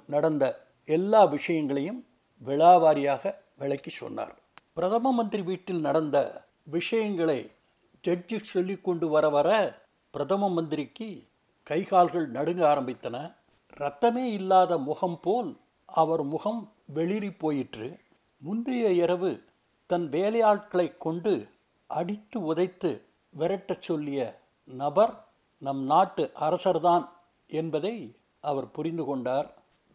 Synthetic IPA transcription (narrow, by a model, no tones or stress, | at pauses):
nɐɽɐnd̪ɐ | ɛlːaːʋɪʂɐjɐŋɡɐɭɐjɯm | ʋɛɭaːʋaːɾɪjaːɣɐʋɪɭɐkːit͡ʃːɔ̰nːa̰ːɾ | pɪɾɐðɐmɐmɐnd̪ɪɾiʋiːʈːɪlnɐɽɐnd̪ɐ̰ | ʋɪʂɐjɐŋɡɐɭɐɪ | d͡ʒɐd͡ʒɯsɔlːɪkːɔɳɖɯʋɐɾɐʋɐɾɐ | pɪɾɐðɐmɐmɐnd̪ɪɾɪkːɯ | kɐɪɣaːlɣɐɭnɐɽɯŋɡaːɾɐmbɪt̪ːɐnɐ | ɾɐt̪ːɐmeːɪlːaːðɐmʊɣɐmpoːl | ɐʋɐɾmʊɣɐm | ʋɛɭɪɾipːoːjɪʈrɯ | mʊnd̪ɪjɐɪɾɐʋɯ | t̪ɐnʋeːlɐjaːʈ̚kɐɭɐɪkːɔɳɖɯ | ʔɐɽɪt̪ːɯʊðɐɪt̪ːɯ̰ | ʋɛɾɐʈːɐt͡ʃːɔlːɪjɐ | nɐbɐɾ | nɐmnaːʈːɯʔɐɾɐsɐɾðaːn | ɛnbɐðɐɪ | ʔɐʋɐɾpʊɾɪnd̪ɯkɔɳɖaːɾ